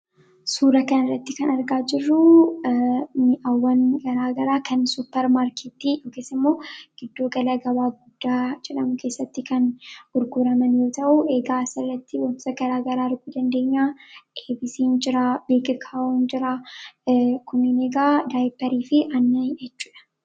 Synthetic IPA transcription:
suːɾɐkɐnɪrːɐt̪ːɪkɐnɐɾɡaːd͡ʒɪrːʊ | mʔɐwːɐnɡɐɾaːɡɐɾaːkʰɐnsʊpːɛɾmaːɾkeːt̪ːijo̞ːkeːsːɐɪmːo̞ːɡ̥ɪd̪ːo̞ːɡɐlɐɡɐbaːɡʊd̪̥ːaːd͡ʒɛᶑɐmʊkʰe̞ːsːɐt̪ːɪkɐnhʊɾɡʊɾɐmɐnjo̞ːt̪ɐʔʊʔe̞ːɡaːsɪrːɐt̪ːɪwɐnsɐɡɐɾaːɡɐɾaːɪɾɡuːd̪ɐnd̪e̞ːɲːaːʔeːbɪsiːnd͡ʒɪɾaːbeːkʼɪkʰaːʔond͡ʒɪɾaː | kʊmineːɡaːd̪aːjpːɐɾiːfɪʔɐnːjɛt͡ʃːu̥ːᶑɐ̥

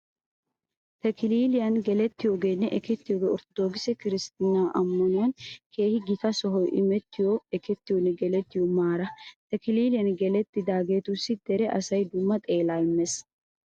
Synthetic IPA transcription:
t̪ɛkɪliːlɪjɐnɡɛlɛt̪ːɪjoɡenːɛʔɛkɛt̪ːɪjoɡeɔɾt̪ɔd̪oːɡɪsɛkɪɾɪst̪ɪnːaːʔɐmːɐnʊwɐnkʰe̞ːhɪɡɪt̪ɐsɔɦɔjʔɪmɛt̪ːɪjɔɛkɛt̪ːɪjɔnːɛɡɛlɛt̪ːɪjɔmaːɾɐt̪ɛkɪliːlɪjɐnɡɛlɛt̪ːɪd̪aːɡe̞ːt̪ʊsːɪd̪̥ɛɾɛʔɐsɐjd̪ʊmːɐt̪ʼe̞ːlaːɪmːes

